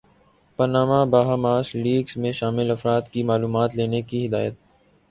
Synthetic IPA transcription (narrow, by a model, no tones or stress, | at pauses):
pɐnaːmabaːɦamaːsliːɡzmẽʃaːmɪlɐfɾaːt̪kimaːluːmaːt̪leːnekiɦɪd̪aːjət̪̚